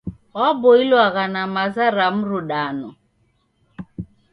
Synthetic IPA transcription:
ɔboilwaɣanamazaɾam̩ɾuɗanɔ

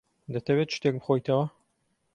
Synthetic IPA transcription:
d̪ɐt̪ʰɐwet̪̚t͡ʃʰt̪ek̚bɨxojt̪ʰɐwɐ

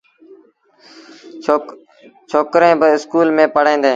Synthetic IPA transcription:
t͡ʃʰoːkɾẽːbəɪskuːlmẽːpəɽẽːnd̪ẽː

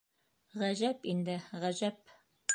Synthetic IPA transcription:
ʁæʑæpind̪ɘʁæʑæp̚

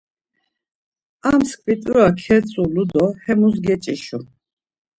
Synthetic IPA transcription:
amskʰvit̪ʼuɾakʰɛt͡sʼulud̪ɔhɛmusɡɛt͡ʃʼiʃu

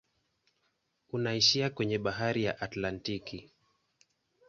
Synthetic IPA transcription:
unaiʃiakwɛɲɛɓaɦaɾijaʔatlantiki

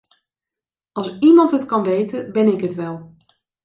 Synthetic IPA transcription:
ɑlˠsimɑntətkɑnʋejtəbɪnɪkɦətʋɛlˠ

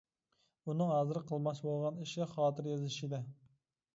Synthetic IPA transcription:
unɨŋhæzɪɾqʰəlˠmɑʃbolˠʁɑniʃɪχɑːt̪ɨɾjɑzɪʃid̪ɪ

